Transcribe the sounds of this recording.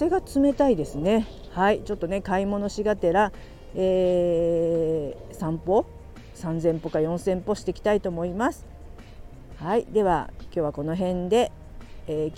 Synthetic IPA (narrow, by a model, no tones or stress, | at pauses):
se̞ɡat͡sɨme̞t̪aid̪e̞sɨne̞ | hait͡ɕo̞t̪ːo̞ne̞kaimo̞no̞ɕiɡat̪e̞ɾa | eː | sãmpo̞ | sãnzẽ̞mpo̞kajõ̞ɰ̃sẽ̞mpo̞ɕi̥t̪e̞kʲi̥t̪ait̪o̞ːmo̞imasɨ̥ | haid̪e̞βa̰kʲjo̞ːβako̞no̞ɦẽ̞nd̪e̞ | eː